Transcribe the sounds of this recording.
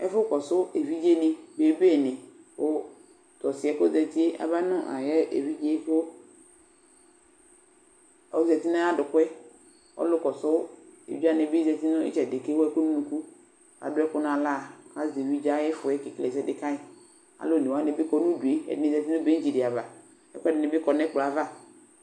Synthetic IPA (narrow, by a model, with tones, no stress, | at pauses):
ɛ̰˦fʊ˦kɔ˨sʊ˦e˨vi˦d͡ʒe˦nɪ˦be˨˦be˦˨nɪ̃˨ʊ˦ | tɔ˨sɪ˨ɛ˨ko˦zɛ˨ti˦e˦ʔa̰˨ba˦nʊ̃˦ʔa̰˨jɛ˦ʔḛ˨vi˦d͡ʒe˦fʊ˦ | ɔ˦zɛ˨ti˦na˦a˦dʊ˨kʊ˦ɛ˦ | ɔ̰˦lʊ˦kɔ˨sʊ˦ḛ˨va˦nɪ˨bɪ˦zɛ˨ti˦nʊ̃˦ɪ̰˦t͡ʃɛ˨dɪ˨ke˦wo˦ɛ˦ko˦nũ˦nũ˨ku˦ | a̰˨dʊ˦ɛ˦kʊ˦nã˨la˦˨a̰˨ze˨wi˦d͡ʒa˦ɪ˦fʊ˨ɛ˦kɪ˨klɛ˨zɛ˦dɪ˨kã˦ɪ˨ | a̰˨lo˦˨ne˨wa˦nɪ˨˦bɪ˦kɔ˦nũ˦du˨e˨˦ɛ̰˨dɪ˨nɪ˦˨zɛ˨ti˦nʊ˦be˦d͡ʒi˨dɪ˨a˨va˨ | ɛ̰˦kɛ˦dɪ˨nɪ˨bɪ˦kɔ˨nɛ˦k͡pla˨va˦